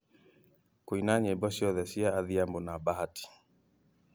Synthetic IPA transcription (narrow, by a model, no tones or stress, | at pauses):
koinaɲebɔsiɔðɛsiaːðiambonabahati̥